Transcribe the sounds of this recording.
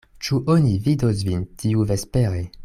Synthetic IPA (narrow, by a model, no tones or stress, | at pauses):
t͡ʃuʔonividos̬vintʰiuvespeɾe